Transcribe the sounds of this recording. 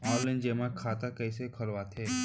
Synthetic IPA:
ɔːlːɪ̃nd͡ʒeːmakʰaːt̪akəːsekʰəlʋat̪ʰeː

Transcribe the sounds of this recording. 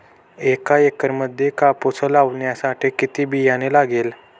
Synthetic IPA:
ekaekəɾməd̪ʱjekaposʰəlaʋɳjasaʈʰikit̪iːbʱijanelaɡel

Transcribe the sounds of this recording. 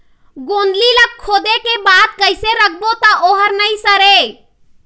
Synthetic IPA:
ɡõnd̪lilək̚kʰːod̪ekebad̪̚kəjseɾək̚ʰbot̪ɔʔoɦəɾnəjsəɾe

